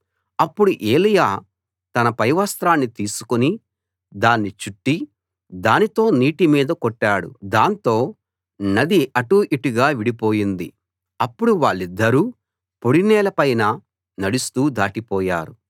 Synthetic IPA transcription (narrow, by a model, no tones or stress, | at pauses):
ɐpːuɽuʔeːlijaː | t̪ɐnɐpɐjʋɐst̪ɾaːnːit̪iːsu̥kuni | d̪aːnːit͡ʃuʈːi | d̪aːnit̪o̞ːniːʈimiːd̪ɐkoʈːaːɽṵd̪aːnt̪o̞ː | nɐd̪iʔɐʈuːʔiʈuɡaːʋiɽipo̞ːjind̪ḭ | ɐpːuɽuʋaːɭːid̪ːɐɾu | poɽinɛːlɐpɐjnɐ | nɐɽust̪uːd̪aːʈipɔːja̰ːɾu